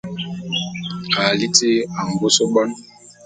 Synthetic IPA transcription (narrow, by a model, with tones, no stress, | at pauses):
a˨li˦te˦a˨ŋɡo˦so˦ɓɔ˦n